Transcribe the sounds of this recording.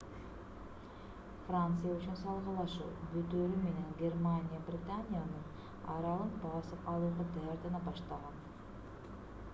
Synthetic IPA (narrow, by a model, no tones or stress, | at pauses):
frant̪sɨjayt͡ʃynsɑlˠʁɑlˠɑʃṵːbyt̪øɾyme̞ne̞nɡʲermanʲɪjabrʲɪt̪anʲɪjanɯn | ɑɾɑlˠɯnbɑsɯpɑlˠuːʁɑt̪ɑjɑɾt̪ɑnɑbɑʃt̪ɑʁɑn